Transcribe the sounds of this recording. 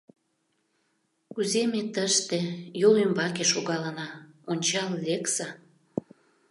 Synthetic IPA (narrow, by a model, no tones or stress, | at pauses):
kuzemet̪əʃt̪ĕjolymbɑkeʃoɣɑlənɑonʲt͡ɕɑlleksɑ